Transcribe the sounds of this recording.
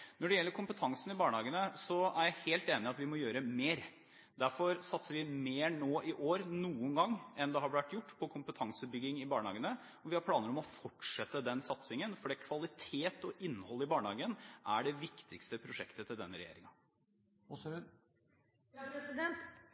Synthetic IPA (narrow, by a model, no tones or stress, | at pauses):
nɔɖɛjɛlːəɾkʰʊmpət̪ʰɑŋsənɪbɑːɳəhɑːɡənəsɔæɾjæɪheːlt̪eːnɪɑt̪ʋɪmɔjøːɾəmeːɾ | d̪æɾfɔɾsɑt̪səɾʋɪmeːnoːʔɪʔoːɾnuːənɡɑŋːɛnd̪ɛhɑbʋæʈ̪jʊʈːpʰɔkʰʊmpət̪ʰɑŋsəbʏɡːɪŋɪbɑːɳəhɑ̰ːɡənə | ɔʋɪhɑɾpʰlɑːnəɾɔmɔfɔʈʂɛt̪ːəd̪ɛnsɑt̪sɪŋənfɔɖɛːkʰʋɑlɪt̪ʰeːt̪ɔʔɪnːhɔlːɪbɑːɳəhɑːɡənʔæɖɛʋɪkt̪ʰɪkst̪əpʰɾʊʂɛ̰kt̪ət̪ʰɪld̪ɛ̰nːəɾɛjḛːɾɪ̰ŋɑ | ɔsʉ | d̪ɛnt̪